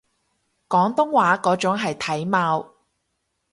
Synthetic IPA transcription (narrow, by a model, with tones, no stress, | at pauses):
kɔː˨˥ŋt̪ʊ˥ŋwaː˨˥kɔː˨˥t͡sʊ˨˥ŋɦɐ˨jt̪ʰɐ˨˥jmaː˧w